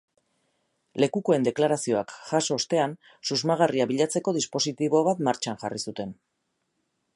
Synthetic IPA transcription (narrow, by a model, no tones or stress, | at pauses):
le̞kuko̞e̞nd̪e̞klaɾasio̞akʝaso̞ːst̪e̞an | suzmaɣ̞ariaβiʎat͡se̞ko̞ðispo̞sit̪iβ̞o̞βat̪maɾt͡ʃanʝarisut̪e̞n